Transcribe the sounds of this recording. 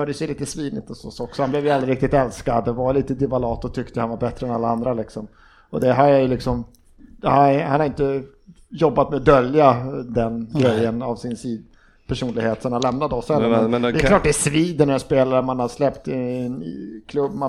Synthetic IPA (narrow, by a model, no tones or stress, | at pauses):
œːɖ̪əsɛliːt̪əsviːd̪ɪt̪ɔsɔsɔksɔhanblɛːvjald̪ɾɪɾɪk̚t̪ɪt̪ɛlskad̪ɛvaɾliːt̪əd̪ɪvalɑːt̪ɔt̪ʰʏkt̪əhanvaɾbɛt̪ɾəɛnalːaand̪ɾalɪksɔm | ɔd̪ɛɦaajɵlɪksɔm | hahanhaɾɪnt̪ə | jɔbːat̪mɛd̪œljad̪ɛnɡɾɛjːənavsɪnsiːd̪ | pʰæʂuːnlɪɡheːt̪sɔnanlɛmnad̪əɔsɛlːəɾɛɛjɛklɑːʈ̚ːd̪ɛsviːd̪ənɛspeːlaɾəmanhad̪əslɛpt̪ɪ | kʰlɵbːma